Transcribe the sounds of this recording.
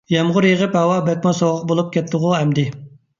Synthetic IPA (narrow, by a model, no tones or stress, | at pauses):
jɛmʁʊɾjəʁəphɛwɑbɛt̪̚mɑsoʁʁəqbolˠup̚kʲʰɛt̪ʰːəʁʊɛmd̪ɪ